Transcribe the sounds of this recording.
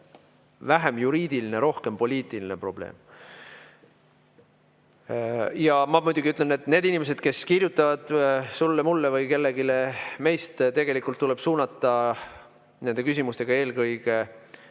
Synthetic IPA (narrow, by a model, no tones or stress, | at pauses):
væɦe̞mjuɾiːd̪̥iline̞ɾo̞hke̞mpo̞lʲiːt̪ˑiline̞pro̞b̥le̞̰ːm | jɑmɑmujd̪̥uɡ̥iyt̪lene̞t̪ːˑne̞ːd̪inʲimes̬e̞d̪̥ke̞skirjut̪ːˑɑvɑd̪̥sulːemulːevɤjke̞lːe̞ɡileme̞jst̪t̪e̞ɡ̥elikult̪ːule̞b̥suːnɑt̪ːˑɑ | nend̪e̞kysʲimust̪e̞ɡ̥ɑe̞ːlkɤjɡ̥e̞